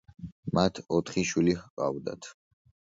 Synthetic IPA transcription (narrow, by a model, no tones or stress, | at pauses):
mat̪ʰɔt̪ʰχiʃwilihqʼa̰vd̪a̰t̪ʰ